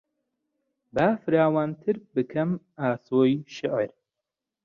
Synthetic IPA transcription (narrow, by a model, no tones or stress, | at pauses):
baːfɨɾaːwaːnt̪ʰɨɾbɨkʰɐm | aːsoːjʃɪʕɾ